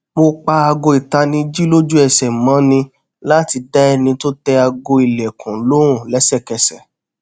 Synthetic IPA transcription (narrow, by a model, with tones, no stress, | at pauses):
k͡po˧k͡pa˧a˧ɡo˧i˨ta˧nĩ˧d͡ʒi˦lo˦d͡ʒu˦ɛ˨sɛ˨mã˨˦nĩ˧ | la˦˨ti˧da˦ɛ˧nĩ˧to˦tɛ˧a˧ɡo˧i˨lɛ˨kũ˨˦lo˨˦ɾ̃ũ˦˨lɛ˨˦sɛ˦˨kɛ˨sɛ˨